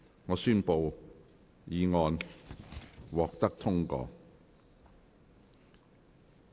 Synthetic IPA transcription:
ŋɔː˨˧syː˥npo˨w | jiː˨˧ŋɔː˧n | wɔː˨k̚t̪ɐ˥k̚t̪ʰʊ˥ŋkɔ̰ː˧

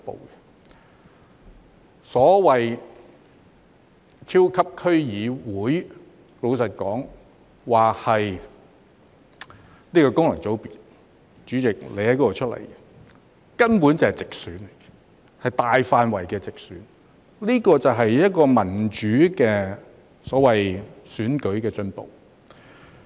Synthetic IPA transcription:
po̰˨wkɛ˧ | sɔː˨˥wɐ˨j | t̪ʰiː˥wkʰɐ˥p̚kʰɵ˥ɥjiː˨˧wuː˨˥j | lo˨˧wsɐ˨t̚kɔː˨˥ŋ | waː˨khɐ˨j | niː˥kɔː˧kʊ˥ŋlɐ˨˩ŋt͡so˨˥wpiː˨t̚ | t͡ʃyː˨˥t͡sɪ˨k̚lʔe˨˧hɐ˨˥kɔ˥ɔ˨˧t͡ʃʰɵ˥t̚lɐ̰˨˩jkɛ˧ | kɐ˥npuː˨˥nt͡sɐ˨˩hɐ˨jt͡sɪ˨k̚syː˨˥n˨˩ɡɛ | hɐ˨jt̪aː˨jfaː˧nwɐ˨˩jkɛː˧t͡sɪ˨k̚syː˨˥n | liː˥kɔː˧t͡sɐ˨wɦɐ˨jjɐ˥t̚kɔː˧mɐ˨˩nt͡ʃyː˨˥kɛː˧ | sɔː˨˥wɐ˨jsyː˨˥nkɵ˨˥ɥkɛː˧t͡ʃɵ˧npo̰˨w

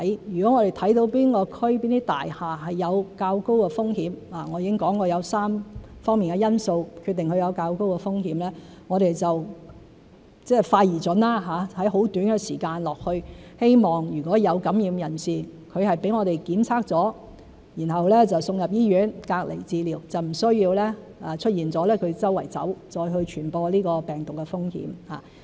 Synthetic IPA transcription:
jyː˨˩kɔ˨˥ŋɔː˨˧ɾe˨jt̪ʰɐ˨˥jt̪o˨˧wpiː˥nkɔː˧kʰɵ˥ɥpiː˥nt̪iː˥t̪a̰ː˨jhaː˨˩ɦɐ˨jːɐ˨˧wkaː˧wko˥wkɛ˧fʊ˥ŋhiː˨˥mlaː˨˩ŋɔː˨˧jiː˧kɪ˥ŋkɔː˨˥ŋkɔː˧jɐ˨˧wsaː˥mfɔː˥miː˨nkɛ˧jɐ˥nso˧wkʰyː˧t̪ːɪ˨ŋkʰɵ˨˧ɥjɐ˨˧wkaː˧wko˥wkɛ˧fʊ˥ŋhiː˨˧˥mlɛː˥ | ŋɔː˨˧ɾe˨jt͡sɐ˨w | t͡sɛː˥˩faː˧jiː˨˩t͡sɵ˨˥nlaː˥ɦaː˨˥hɐ˨˥jɦo˨˥wt̪yː˨˥nɡɛ˧siː˨˩kaː˧nlɔː˨k̚hɵ˧ɥhe˥jmɔː˨ŋjyː˨˩kʷɔː˨˥jɐ˨˧wkɐ˨˥mjiː˨˧mjɐ˨˩nsiː˨kʰɵ˨˧ɥhɐ˨jpe˨˥jŋɔː˨˧ɾe˨˩jkiː˨˥mt͡sʰaː˥k̚t͡sɔː˨˥ | jiː˨˩nɦɐ˨wlɛː˥t͡sɐ˨wsʊ˧ŋjɐ˨p̚jiː˥ɥyː˨˥nkaː˧k̚lʔḛ˨˩jt͡siː˧liː˨˩wt͡sɐ˨wm̩˨˩sɵ˥ɥjiː˧wlɛː˥ | aː˧t͡ʃʰɵ˥t̚jiː˨nt͡sɔː˨˥lɛː˥kʰɵ˨˧ɥt͡sɐ˥wɐ̰˨˩jt͡sɐ̰˨˥wt͡sɔː˧jɦɵ˧ɥt͡ʃʰyː˨˩npɔː˧liː˥kɔː˧pɛː˨˩ŋt̪ʊ˨kːɛ˧fʊ˥ŋhḭ˨˧˥mha̰ː˨˩

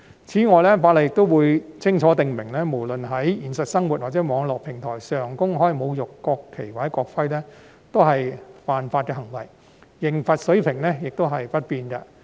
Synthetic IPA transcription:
t͡sʰiː˨˥ŋɔː˨˧jlɛː˥faː˧t̚lɐ˨˩jɪ˨kt̪o˥wwuː˨˧jt͡sʰɪ˥ŋt͡ʃʰɔː˨˥t̪ɪ˨ŋmɪ˨˩ŋlɛː˥mo˨˩wlɵ˨nɦɐ˨˥jjiː˨˩nsɐ˨t̚sɐ˥ŋwuː˨t̚waː˨t̚t͡sɛː˨˥mɔː˨˧ŋlɔː˨k̚pʰɪ˨˩ŋt̪ʰɔː˨˩jsœː˨˩ŋkʊ˥ŋɦɔː˥jmo˨˧wjʊ˨˩kːɔː˧kʰːe˨˩jwaː˨˥jkɔː˧k̚fɐ˥jlɛː˥ | t̪o˥wɦɐ˨jpaː˨nfaː˧t̚kɛː˧ɦɐ˨˩ŋwɐ˨˩jː | ɪ˨˩ŋfɐ˨t̚sɵ˨˥ɥpʰɪ˨˩ŋlɛː˥jɪ˨k̚t̪o˥wɦɐ˨jpɐ˥t̚piː˧nɡɐː˧

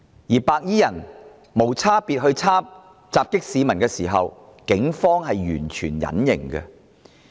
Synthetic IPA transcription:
jiː˨˩paː˧k̚jiː˥jɐ˨˩n | mo˨˩wt͡sʰaː˥piː˧t̚ɦɵ˧ɥt͡sʰaː˥m | t͡saː˨p̚kɪ˥k̚siː˨˧mɐ˨˩nkɛː˧siː˨˩ɦɐ̰˨w | kɪ˨˥ŋfɔː˥ŋɦɐ˨jɥyː˨˩nt͡ʃʰy̰ː˨˩njɐ̰˨˥njɪ˨˩ŋɡɛ̰˧

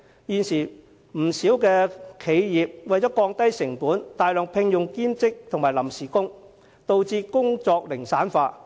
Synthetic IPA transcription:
jyː˨nsiː˨˩ | m̩˨˩siː˨˥wkɛː˧kʰe˨˧jjiː˨p̚wɐ˨jt͡sɔː˨˥kɔː˧ŋt̪ɐ˥jsɪ˨˩ŋpuː˨˥nt̪aː˨jlœː˨ŋpʰɪ˧ŋjʊ˨ŋkiː˥mt͡sɪ˥k̚t̪ʰʊ˨ŋmaː˨˩jlɐ˨˩msiː˨˩kʊ˥ŋ | t̪o˨wt͡siː˧kʊ˥ŋt͡sɔː˧k̚lɪ˨˩ŋsaː˨˥nfaː˧

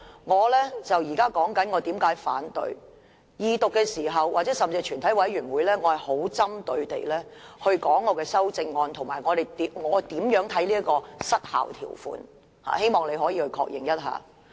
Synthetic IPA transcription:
ŋɔː˨˧lɛː˥t͡sɐ˨wjiː˨˩kaː˥kɔː˨˥ŋkɐ˨˥nŋɔ˨˧t̪iː˨˥mkaː˨˥jfaː˨˥nt̪ɵ̰˧ɥ | jiː˨˧t̪ʊ˨kːɛː˧siː˨˩ɦɐ˨wʔaː˨˩t͡sɛː˨˥sɐ˨˩mt͡si˧t͡ʃʰyː˨˩nt̪ʰɐ˨˥jwɐ˨˥jɥyː˨˩nwuː˨˧jlɛː˥ŋɔː˨˧hɐ˨˩jho˨˥wt͡sɐ˥mt̪ɵ˧ɥt̪ḛ˨jlɛː˥hɵ˧ɥkɔː˨˥ŋːɔː˨˧kɛː˧sɐ˥wt͡sɪ˧ŋːɔː˧nt̪ʰʊ˨˩ŋmaː˨˩jŋɔː˨˧ɾe˨jt̪i˨ŋɔː˨˧t̪iː˨˥mjœː˨˥ŋt̪ʰɐ˨˥jliː˥ɐ˥kɔː˧sɐ˥t̚ha̰ː˨˩wt̪ʰḭː˨˩wfṵː˧n | ha̰ː˨he˥jmɔː˨˩ŋle˨˧jɦɔː˨˥jiː˧hɵ˧ɥkʰɔ̰ː˧k̚jɪ̰˨ŋjɐ˥t̚ɦa̰ː˨˧

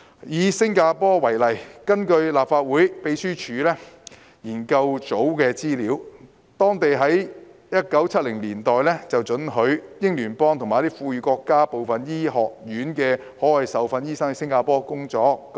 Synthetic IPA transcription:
jiː˨˧sɪ˥ŋkaː˧pɔː˥wɐ˨˩jlɐ˨˩jkɐ˥nkɵ˧ɥlaː˨pfaː˧t̚wuː˨˥jpe˨˧˥jsyː˥t͡ʃʰyː˨˧lɛː˥ | jiː˨˩nkɐ˧wt͡so˨˥wkɛː˧t͡siː˥liː˨˥w | t̪ɔː˥ŋt̪e˨jɦɐ˨˥jjɐ˥t̚kɐ˨˥wt͡sʰɐ˥t̚lɪ˨˩ŋliː˨˩nt̪ɔː˨jlɛː˥t͡sɐ˨wt͡ʃɵ˨˥nɦɵ˨˧˥ɥjɪ˥ŋlyː˨˩npɔː˥ŋt̪ʰʊ˨ŋmaː˨˦t̪i˥fuː˧jyː˨˧kɔː˧kːaː˥po˨wfɐ˨njiː˥ɦɔː˨k̚jyː˨˥nkɛː˧ | hɔː˨˥wɐ˨jsɐ˨wfɐ˧njiː˥sɐ˥ŋ˧sɪ˥ŋkaː˧pɔː˥kʊ˥ŋt͡ʃɔː˨˥k̚

